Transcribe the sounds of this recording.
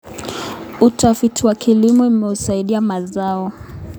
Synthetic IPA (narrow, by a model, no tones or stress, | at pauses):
utʰafitiwakʰilimɔumɛusaiɗiamazaɔ